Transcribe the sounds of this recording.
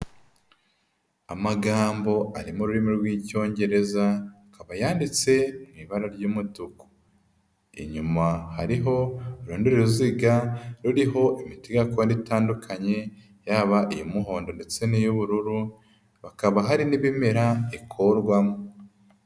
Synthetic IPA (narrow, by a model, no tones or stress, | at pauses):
amaɡaːmbo̞aɾimuɾuɾimiɾɡwiːco̞ːɲɟe̞ɾe̞zaːkaβajaːndit͡se̞miβaɾaɾɟuːmutuku̥ | ḭɲumahaɾiɦo̞uɾuːndiɾeɾuziɡaɾuɾiɦo̞ʔimiteɡakonditaːndukʰaɲe̞ | jaβaʔijomuɦo̞ːndo̞nde̞t͡se̞nijoβuɾuɾu | βakaβaɦaɾiniβime̞ɾaikʰoɾɡwamu